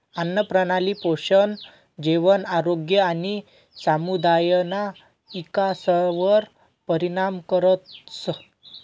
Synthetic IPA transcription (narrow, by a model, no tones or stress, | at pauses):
anːəpɾənaliːpoɕən | d͡ʑeʋənaɾoɡjəani | samud̪ajna | ikasəʋəɾ | pəɾiɽamkəɾət̪sə